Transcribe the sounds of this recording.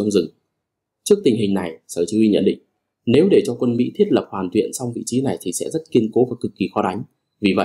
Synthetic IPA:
a˧wŋ͡mzɨ˨˩ŋ | t͡ɕɨ˦˥ək̚t̪ï˨˩ŋ̟ɦï˨˩ŋna˨˩jsəː˧˩t͡ɕi˨˦wi˧ɲə̰˧˥nɗḭ˧˨ŋ̟ | ne˨˦wɗe˧˩t͡ɕɔ˧kwə˧nmḭ˧˥t̪ʰi˦˥ət̚lə˨˩p̚hwaː˨˩nt̪wḭ˧˨ənsa˧wŋ͡mvḭ˧˨t͡ɕi˨˦na˨˩jt̪ʰi˨˩sɛ̰˧˥zt̚ki˧ənko˨˦vaː˨˩kɨ˨˩kːi˨˩xɔ˧˦ɗa˨˦jŋ̟ | vi˨˩və̰˧˨

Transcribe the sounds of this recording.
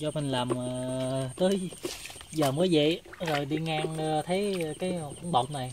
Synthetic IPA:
t͡ɕɔ˧mï˨˩ŋ̟laː˨˩mː˨˩t̪əː˨˦j | zəː˨˩məː˨˦jvə̰˧˨zo˨˩jɗi˧ŋaː˧ŋː˨t̪ʰə˨˦jkaː˨˦jkʊ̰˧˥˦ŋ͡mɓə̰˧˨wŋ͡mna˨˩j

